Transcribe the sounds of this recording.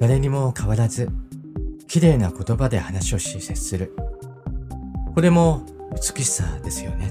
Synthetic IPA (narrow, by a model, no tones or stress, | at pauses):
d̪aɾe̞ɲ̟imo̞kʰaβaɾazɨ | kʲiɾe̞ːnako̞t̪o̞bad̪e̞hanaɕio̞ɕise̥sɨɾɯ̟ | ko̞ɾe̞mo̞ɯ̟t͡sɨ̥kɯɕi̥sa̰d̪e̞sɨjo̞̰ne̞